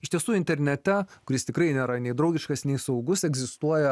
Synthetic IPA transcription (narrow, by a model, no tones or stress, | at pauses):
ɪʃt̪ʲiɛsuːɪnʲt̪ʲɛɾʲnʲɛt̪ʲɛkʊɾʲɪst̪ʲɪkɾɐɪnʲeːɾɐnʲɛɪd̪ɾɐʊɡʲɪʃkɐsnʲɛɪsɐʊɡʊsɛɡzʲɪst̪uɔjɛ